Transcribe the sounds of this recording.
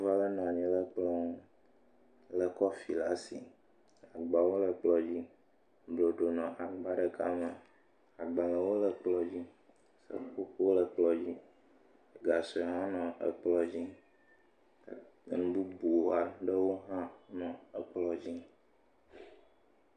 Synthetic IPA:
va˦lə˦nã˨ɲĩ˨lə˨k͡plɔ˦ŋũ˦ | lə˨kɔ˦fi˨la˦si˨ | a˨ɡ͡ba˨wo˦lə˨k͡plɔ˨d͡ʑi˦ | blo˨ɖo˨nɔ̃˨ʔa˨nũ˨ba˦ɖə˨ka̰˦mə˨ | a˨ɡ͡ba˨lə˨wo˦lə˨k͡plɔ˨d͡ʑi˦ | sə̰˦ko˦kwo˦lə˨k͡plɔ˨d͡ʑi˦ | ə˨ɡa˨sɔ˨ɦã˦nɔ̃˨ə̰˨k͡plɔ˦d͡ʑi˦˨ | nũ˨˦bu˦bu˨wo˦a˨ɖə˦wo˦ɦã˦nɔ̃˨ə˨k͡plɔ˦d͡ʑi˦

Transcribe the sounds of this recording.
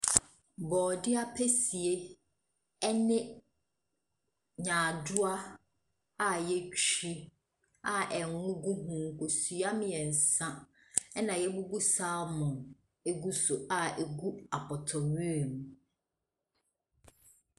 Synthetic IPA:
bɔː˨dɪ˦a˦pʰɛ˦si˨e˦ | ɛ˦nɪ̃˦ | ɲãː˨dʊ˦a˦ | a˨jɛ˦t͡ɕʰᶣi˦ | a˨ʔɛ˨ŋʊ̃˦ɡu˦ɦũ˦ko˨su˨a˦mɪ̃˨ɛ˨n̩˨sã˦ | ɛ˦nã˨jɛ˦bu˦bu˦saː˦mʊ̃˨ | e˦ɡu˦sʊ˨a˨e˨ɡu˦a˨pʰɔ˨tʰɔ˨ɥi˦e˨m˨

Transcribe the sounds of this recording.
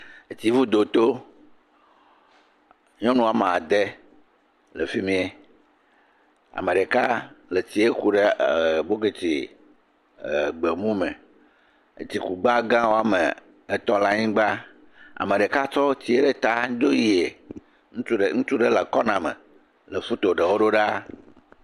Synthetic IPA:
e˨t͡ɕi˨vu˦d̪o˨t̪o˦ | ɲɔ̃˦nũ˦a˨m˨a˨d̪e˦ | le˨fi˦mĩ˦e˨ | a̰˨mẽ˨ɖe˨ka˦le˨t͡ɕi˨e˦ku˨ɖe˦˨bo˦ɡe˨t͡ɕi˨ | ɡ͡be˨mũ˦mḛ̃˨ | t͡ɕi˨ku˨ɡ͡ba˦ɡã˦wo˦a˨mḛ˨ | e˦t̪ɔ˦la˦ɲĩ˦ɡ͡ba˦ | a̰˨mẽ˨ɖe˨ka˦t͡ʃɔ˦t͡ɕi˦e˦ɖe˦t̪a˦d̪o˦ji˦e˨ | ŋ̩˦˨ŋũ˦t͡ʃu˦ɖe˦la˨kɔ˦nã˨mḛ̃˨ | le˨fu˦t̪o˨ɖe˨wo˦ɖo˦ɖa˦

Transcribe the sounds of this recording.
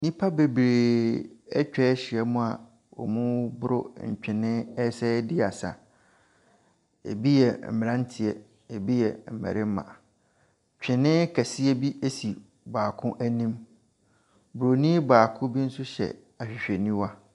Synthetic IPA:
nĩ˦pʰa˦be˨bɾeː˨ɛ˦t͡ɕᶣɛ˦ɕɪ˨ɛ˦mʊ̃˦a˨ | ɔ̰˨mũ˦bʊ˦ɾʊ̰˦ɲ̩˨t͡ɕᶣɪ̃˨nɪ̃˦ɛ˦sɛː˦dɪ˦a˨sa̰˨ | ḛ˨bi˦jɛ˨m̩˨mɪ̃˨ɾã˦n˦tʰɪ˨ɛ˨ | e˨bi˦jɛ˨m̩˨mɛ̰˨ɾɪ˦m˦mã̰˨ | t͡ɕᶣɪ̃˨nɪ̃˦kʰæ˨si˦ɛ˦bi˦e˦si˨ | baː˨kʰʊ̃˦ʔæ˦nĩ˦m | bʊ˨ɾo˨nĩ˦baː˨kʰʊ̃˦bi˦n̩˦sʊ˦ɕɛ̰˨ | a˨ɕᶣɪ˨ɕᶣɛ˨nĩ˦wa˦

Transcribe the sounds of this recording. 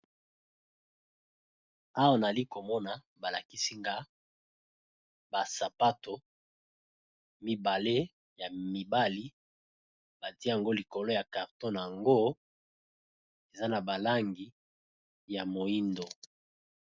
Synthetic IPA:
a˦wa˨na˨li˦ko˨mɔ˦na˨ | ba˨la˨ki˦si˦ŋɡa˦ | ba˨sa˨pa˦to˨ | mi˦ba˨le˦ | ja˨mi˨ba˦li˦ | ba˨ti˦a˨ŋɡo˦li˨ko˨lo˦ja˨ka˨ʁtɔ˦n˨a˨ŋɡo˦ | e˨za˦na˨ba˨la˦ŋɡi˨ | ja˨mo˨i˦ndo˨

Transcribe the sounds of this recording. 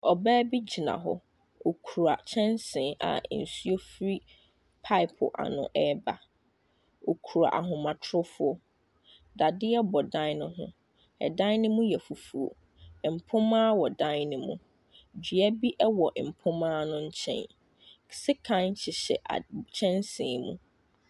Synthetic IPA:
ɔ˨bɛː˦bi˦d͡ʑi˨nã̰˨ɦɔ̰˦ | o˨kʰu˨ɾa̰˨t͡ɕʰɛ̃˦nsɪ̃˨ʔa̰˨n̩˨su˦o˦fɾi˦ | pʰa˦ɪ˨pʰʊ̰˨ʔa̰˨nʊ̰̃˨ʔɛ˦ba˨ | o˨kʰu˨ɾa̰˨ʔa̰˨ɦʊ̃˨mã˨tʰɾʊ˦fʊ˦ɔ˦ | da˨dɪ˦ɛ˦bɔ˨dã˦nʊ̃˦ɦʊ̰̃˦ | ɛ̰˨dã˦nɪ̃˦mũ˦jɛ˨fu˨fu˨o̰˨ | m̩˨pʰʊ̃˦mãː˦wɔ˨dã˦nnɪ̃˨mũ˨ | d͡ʑɥɛ˦bi˦ʔɛ˦wɔ˨ʔm̩˨pʰʊ̃˦mãː˦nʊ̃˦ɲ̩˦t͡ɕʰɛ̰̃˦n | sɪ˦kʰã˦n˦t͡ɕʰɪ˨ɕɛ̰˨ʔa̰˨t͡ɕʰɛ̃˦nsɪ̰̃ː˨mṵ̃˦

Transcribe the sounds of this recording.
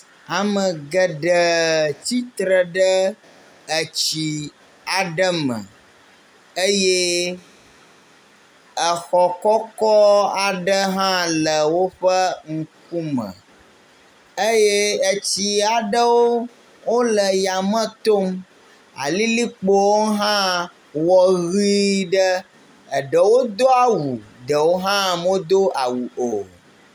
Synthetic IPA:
a˨mə̃˨ɡə˨ɖə˨t̪i˦t̪ɾə˨ɖə˦ | ə˨t͡ɕi˨ | a˨ɖə˦mə̰̃˨ | ə˦je˦ | ə˨xɔ˨kɔ˦kɔ˦a˨ɖə˦ɦã˦lə˨wo˦ɸə˦ŋ̩˦ku˦mə̰̃˨ | ə˦je˦ə˦t͡ɕi˦a˨ɖə˦wo˦ | wo˦lə˨ja˨mə̃˦t̪o˦m | a̰˨li˦li˦k͡po˦wo˦ɦã˦ | wɔ˨ɣi˦ɖə˦ | ə˨ɖə˨wo˦d̪o˦a˦˨wu˨ɖ̪ə˨wo˦ɦã˦mo˦d̪o˦a˨wu˨ʔo˨

